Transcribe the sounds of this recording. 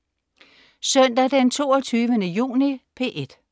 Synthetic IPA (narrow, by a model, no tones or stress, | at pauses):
sœn̰d̥æd̥ent͡sʰo̝ːɒt͡sʰyːʋənəjṵːnipʰe̝ːʔed̥